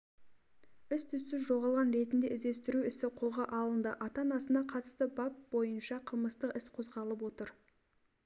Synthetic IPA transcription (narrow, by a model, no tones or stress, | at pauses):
ɪst̪ʰʏsːɪzʒo̞ʁɑlˠʁɑnɾe̞t̪ɪnd̪eɪzd̪e̞st̪ɪɾuɪsɪqʰolˠʁɑʔɑlˠənd̪ə̰ʔɑt̪ɑnɑsənɑqʰɑt̪ə̥st̪əbɑp̚bo̞jənʃɑqʰəlˠməst̪əqɪsqʰo̞zʁɑlˠəp̬wo̞t̪əɾ